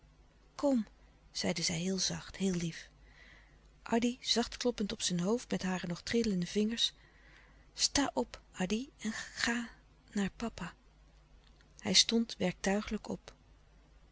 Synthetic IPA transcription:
kɔm | z̥ɛjdəzɛjɦɪːlˠzɑχthɪːlˠlif | ʔɑdiz̥ɑχtklɔpəntɔpsɛnɦowftmɛtɦaːrənɔχtrɪdləndəvɪŋəɹs | staːʔɔpʔɑdiɛnχaː | naːɹpɑpa | hɛjstɔntʋɛɹk̚tœɥχələkɔ̰p

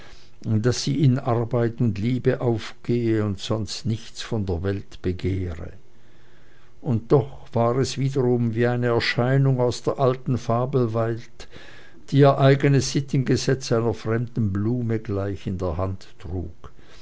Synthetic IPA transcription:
d̥asiːɪnaɐbaɪtʊntliːbəʔaʊfɡ̥eːəʊntsɔnstnɪçt͡sfɔndeːɐvɛltb̥əɡeːʁə̰ | ʊntd̥ɔχ | v̥aːʁɛsv̥iːdəʁʊmviːaɪnəɛɐʃaɪnʊŋaʊsd̥eːɐʔaltn̩faːbl̩valt | d̥iːiːɐʔaɪɡənəsz̥ɪtn̩ɡəzɛt͡saɪnɐfʁ̥ɛmdn̩bluːməɡlaɪçɪndeːɐɦantːʁ̥ṵːk

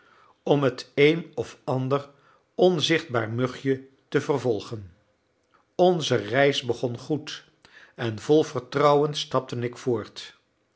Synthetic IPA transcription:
ɔmɦətejnɔfɑndər | ɔnzɪχd̚ba̰ːɹmɵχjə | təvərvɔlˠχən | ɔnzərɛjsbəχɔnχut | ɛnvɔlˠvərtrɑwənstɑp̚tənɪkfoːɹt

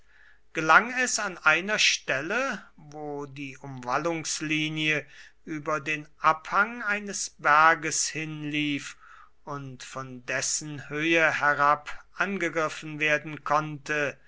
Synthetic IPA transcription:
ɡ̥əlaŋɛsanʔaɪnɐʃtɛləvoːdiːʔʊmvalʊŋsliːniəʔyːbɐdeːnʔaphaŋaɪnəsb̥æɐɡəshɪnliːf | ʊntfɔndɛsən̩høːəhɛʁapʔanɡəɡʁɪfn̩veːɐdn̩kʰɔntʰə

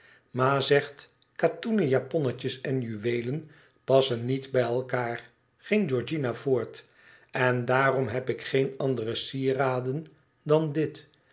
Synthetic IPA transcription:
maːzɛχt | katunəjapɔnəcəsɛnjyʋejlən | pɑsənːitbɛjɛlˠkaːɹ | χɪŋd͡ʒɔɹd͡ʒinav̥oːɹt | ɛndaːrɔmɦɛpɪkχejnɑndərəsiːraːdən | dɑndɪt

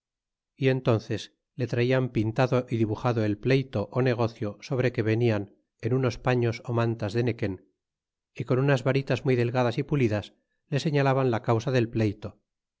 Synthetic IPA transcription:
ie̞nt̪o̞nθe̞s | le̞t̪ɾaiampint̪aðo̞ʔiðiβuxaðo̞e̞lple̞jt̪o̞ʔone̞ɣ̞o̞θjo̞so̞β̞ɾe̞ke̞βe̞nian | e̞nuno̞spaɲo̞somãnt̪azðe̞ne̞ke̞n | iko̞nunazβaɾit̪azmujðe̞lɣaðasipuliðas | le̞se̞ɲalaβanlakawsaðe̞lple̞jt̪o̞

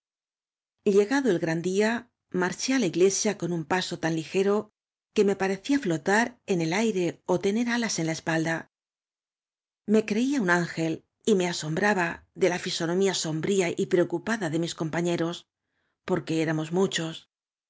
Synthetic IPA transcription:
ʎe̞ɣaðo̞elɣɾand̪ia | maɾt͡ʃe̞alaiɣle̞sjako̞numpaso̞t̪anlixe̞ɾo̞ | ke̞me̞paɾe̞θiaflo̞t̪aɾe̞ne̞lajɾe̞o̞t̪e̞ne̞ɾalase̞nlaespald̪a | me̞kɾe̞iaunaŋxe̞l | ime̞aso̞mbɾaβaðe̞lafiso̞nõ̞miaso̞mbɾiaʔipɾe̞o̞kupaðaðe̞misko̞mpaɲe̞ɾo̞s | po̞ɾke̞eɾamo̞zmut͡ʃo̞s

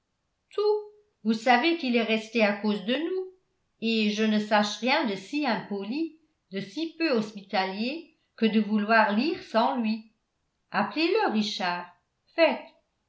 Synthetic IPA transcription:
t̪ʰu | vusavekilɛʁɛst̪eakoːzd̪ənu | eʒənəsaʃʁjɛ̃d̪əsiɛ̃poli | d̪əsipøɔspit̪alje | kəd̪əvulwaːʁliːʁsɑ̃lɥi | apleləʁiʃaːʁ | fɛt̪

